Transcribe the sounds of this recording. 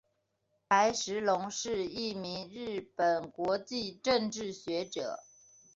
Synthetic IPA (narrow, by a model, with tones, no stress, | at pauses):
pʰa˧˥ɪʂɻ̩˧˥lʊ˧˥ŋʂɻ̩˥˧i˥˩mi˧˥ŋɻɻ̩˥˩pə˨˩nkwɔ˧˥t͡ɕi˥˧ʈ͡ʂə˥˧ŋʈ͡ʂɻ̩˥˩ɕɥɛ˧˥ʈ͡ʂɤ̰˨˩˦